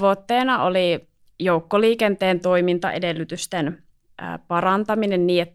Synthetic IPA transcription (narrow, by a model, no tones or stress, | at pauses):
ʋot̪ːeːnɑoli | joukːoliːkent̪eːnt̪o̞imint̪ɑ̰ʔedelːyt̪yst̪en̰ː | pɑɾɑnt̪ɑminenniːet̪ː